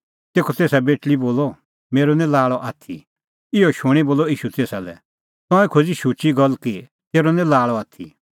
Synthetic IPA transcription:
t̪eːkʰɔt̪eːsabeːʈliboːlɔ | meːɾonɛ̃laːɭɔʔaːt̪ʰḭ | ɪɔʃuɽ̃iboːlɔiːʃut̪eːsalɛ̰ | t̪ɔ̃ɛkʰoːd͡ziʃuːt͡ʃiɡɐlki | t̪eːɾonɛ̃laːɭɔaːt̪ʰḭ

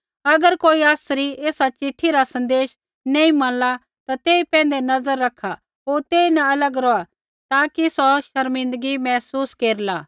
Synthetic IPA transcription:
ɐɡəɾkoːiaːsɾieːsat͡ʃɪʈʰːiɾasɐ̃nd̪eːʃ | nẽːĩmɐ̃nla | t̪at̪eːipɛ̃ːnd̪enɐzəɾːɐkʰːa | ɦoːɾt̪eːinɐɐləɡɾɔːa | t̪aːkisɔʃɐɾmɪ̃nd̪əɡimɛːsuːskeːɾlaː

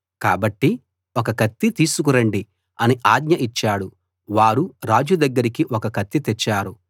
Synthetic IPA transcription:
kaːbɐʈːi | okɐkɐt̪ːit̪iːsukuɾɐɳɖi | ɐniʔaːɡɲɐʔit͡ʃːaːɽu | ʋaːɾuɾaːd͡ʒud̪ɐɡːɐɾikiʔokɐkɐt̪ːit̪ɛt͡ʃːaːɾu

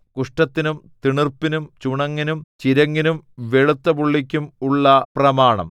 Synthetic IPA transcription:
kuʂʈɐt̪ːinumt̪iɳirpinumt͡ɕuɳɐŋːinumt͡ɕiɾɐŋːinumʋe̞ɻut̪ːɐpuɭːik̬ʲːumuɭːɐprɐmaːɳɐ̰m

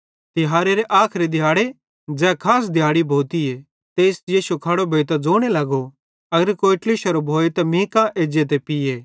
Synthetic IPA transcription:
t̪ɪɦaːɾeɾeʔaːkʰɾid̪ʱɪjaːɽe | d͡zɛːkʰaːs̬d̪ʱjaːɽibʱoːt̪ie | t̪eːsjiːʃukʰɐɽobʱeːt̪̬ɐd͡zoːɽ̃elɐɡo | ɐɡəɾkoːɪʈliʃɐɾobʱoːet̪ɐmĩːkãʔeːd͡ʒet̪̬epɪjeː

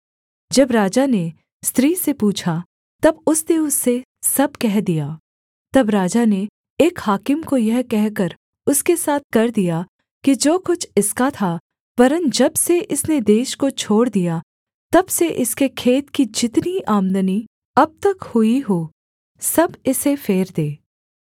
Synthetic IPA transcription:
d͡ʒɐbɾaːd͡ʒane | st̪ɾiːsepuːt͡ʃʰa | t̪ɐbʊsneʊsːe | sɐb̚kɛɦd̪ijaː | t̪ɐbɾaːd͡ʒane | eːkhaːkɪmkojɛɦkɛɦkəɾ | ʊskesaːt̪̚ʰkɐɾd̪ija | kid͡ʒoːkʊt͡ʃʰɪskat̪ʰa | pɐɾə̃nt̪d͡ʒɐbseʔɪsned̪eːʃkot͡ʃʰoːɽd̪ija | t̪ɐbseʔɪskekʰeːt̪kid͡ʒɪt̪niʔaːmd̪əni | ɐb̚t̪ɐkhʊiɦoː | sɐbɪsefeːɾd̪eː

